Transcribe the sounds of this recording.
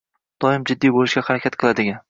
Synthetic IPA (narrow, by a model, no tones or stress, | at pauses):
d̪̥ɒɪmd͡ʒɪd̪ːijbolɪʃɡʲahaɾakʲat̪̚qʰɨlˠad̪ɪɡʲan